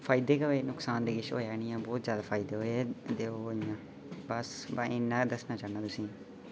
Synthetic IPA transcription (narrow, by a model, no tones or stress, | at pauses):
fʰaːɪd̪eːkəʋeːnʊksaːnd̪eːɡɪʃo̰ːeaːnɪjãːbɔːt̪zjaːd̪aːpʰaːɪd̪eːɦoːed̪eːoijãː | bəsbaɪnːãːd̪əsnãːt͡ʃaːnãːt̪ʊsĩː